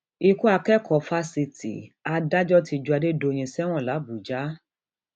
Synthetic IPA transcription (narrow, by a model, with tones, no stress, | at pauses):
i˧ku˦a˧kɛ˦kʰɔ˨fa˧˦si˧tḭ˨a˧da˦d͡ʒɔ˦ti˧˨d͡ʒu˧a˧de˦do˧j̃ĩ˧sɛ˦w̃ɔ̃˦˨la˨˦bu˨d͡ʒa˨˦